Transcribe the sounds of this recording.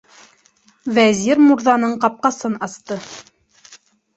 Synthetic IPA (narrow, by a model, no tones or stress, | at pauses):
væzʲiɾmuɾðɑnɤɴqɑp̚qɑsɤnɑst̪ɤ